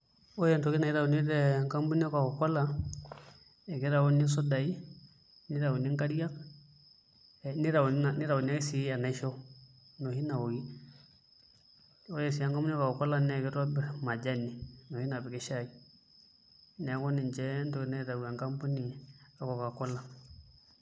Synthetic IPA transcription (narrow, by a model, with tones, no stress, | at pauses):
o˦jɛ˨ntɔ˨˦ki˦na˨i˦ɾa˨u˨ni˦dɛ˨ŋka˦mbu˦ni˦a˦ka˨kɔ˨kɔ˦la˨ | ɛ˨ki˦ɾa˨wu˦ni˦s̬ɔ˦da˨i˦ | ni˦ɾa˨u˨ni˦ŋka˦ɾija˦k̚ | ɛ˨ni˦ɾa˨wu˨ni˦na˨ni˦ɾa˨u˨n˦a˦ke˦si˨˦a˨na˨ʃɔ˦ | no˨hi˦na˨wɔ˨ki˦ | ɔ˦jɛ˨s̬i˨a˦ŋka˦mbu˦n˦ka˨kɔ˨kɔ˦la˦nɛ˨kɛ˦ɾɔ˦bɛ˨ma˨d͡ʒa˦ni˨nɔ˨hi˦na˨bɛ˨kɛ˦ʃa˦˨i˦ | nɛ˨˦kɔ˦ni˨nt͡ʃɛ˦ntɔ˨knɛ˦ɾa˨u˨a˨ŋka˦mbu˦ni˨a˨ka˨ka˨kɔ˦la˨